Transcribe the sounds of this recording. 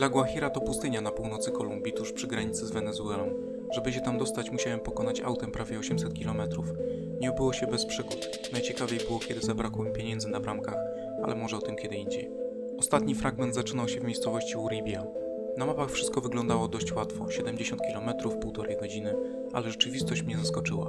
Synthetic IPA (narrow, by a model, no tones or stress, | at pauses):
d̪laɡwaxʲiɾat̪ɔpust̪ɘɲanapuwnɔt̪sɘkɔlumbʲit̪uʂpʂɘɡɾaɲit̪sɘzvɛnɛzuɛlɔm | ʐɛbɘɕ̬ɛt̪amd̪ɔst̪at͡ɕmuɕawɛmpɔkɔnat͡ɕawt̪ɛmpɾavʲjɛɔɕɛmsɛt̪̚kʲilɔmɛt̪ɾuf | ɲɛɔbɘwɔɕɛbɛspʂɘɡut̪ | najt͡ɕɛkavʲjejbɘwɔkʲɛd̪ɘzabɾakwɛmpʲjeɲɛnd̪zɘnabɾamkax | a̰lʔɛmɔʐɛɔt̪ɘmkʲɛd̪ɘiɲd͡ʑḛj | ɔst̪at̪ɲifɾaɡmɛnd̪zat͡ʂɘnawɕɛvmʲejst̪sɔvɔɕt͡ɕiuɾʲibʲja | namapaxfʂɘst̪kɔvɘɡlɔnd̪awɔd̪ɔɕt͡ɕwat̪fɔ̰ɕɛd̪ɛmd͡ʑeɕɔnt̪kʲilɔmɛt̪ɾufpuwt̪ɔɾɛjɡɔd͡ʑinɘ | a̰lɛʐɛt͡ʂɘvʲist̪ɔɕt͡ɕmɲɛzaskɔt͡ʂɘwa̰